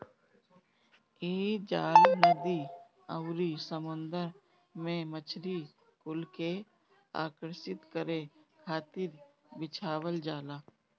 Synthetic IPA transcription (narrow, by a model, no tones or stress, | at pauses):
eːd͡ʒaːlnəd̪i | əwɾisəmʊ̃nd̪əɾ | mẽmət͡ʃʰɾi | kʊlke | a̰ːkəɾʃɪt̪kəɾekʰaːt̪ɪɾ | bɪt͡ʃʰaːwəld͡ʒaːlaː